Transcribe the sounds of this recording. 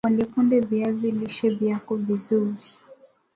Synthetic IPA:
kanɛkundɛvjaviliʃɛvjakɔvizuɾi

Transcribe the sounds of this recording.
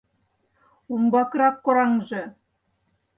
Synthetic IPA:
umbɑkɾɑkːŏɾɑŋʒɤ̆

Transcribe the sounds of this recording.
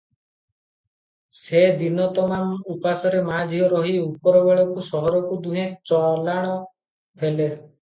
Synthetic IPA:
sed̪inɔt̪ɔmamupasɔɾemad͡ʒʱjɔɾɔɦiupɔɾɔbeɭɔkusɔɦɔɾɔkud̪uɦẽt͡ʃɔlaɽ̃ɔ | pʰele

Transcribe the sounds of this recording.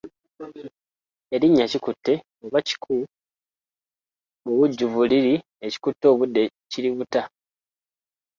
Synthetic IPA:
e̞ɾiɲːacikutːe̞ | oβaci̥kʰu | uβuɟːuvuliɾi | eci̥kutːo̞ːβudːe̞ | ciɾiβuta

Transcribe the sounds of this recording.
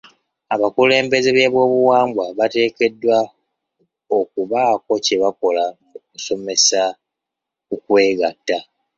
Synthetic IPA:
aβakule̞ːmbe̞zeβeːβwo̞ːβuwaːmɡwaβate̞ːke̞dːwa | okuβaːko̞ce̞βako̞lamuk̚uso̞me̞sa | kukwe̞ːɡatːa

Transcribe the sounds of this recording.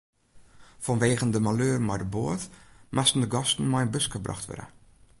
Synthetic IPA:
fɔnʋeːɣəndəmaløːrmɔjdəboːətmʔastən̩dəɡɔstn̩mɔjənbøsxəbrɑ̰xtʋø̰də̰

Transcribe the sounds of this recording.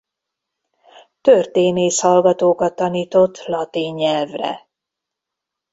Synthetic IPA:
t̪ørt̪eːneːʃhɒlɡɒt̪oːkɒt̪ːɒniːt̪o̞t̪ːlɒt̪iːɲːɛlvrɛ̰

